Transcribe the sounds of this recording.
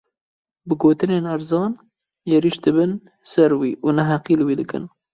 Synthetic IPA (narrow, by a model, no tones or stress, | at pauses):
bɨɡoːt̪ɨneːnæɾzɑːn | jɛɾiʃd̪ɨbɨn | sɛɾwḭːʔunɐɦæqiːlwiːd̪ɨkɨ̰n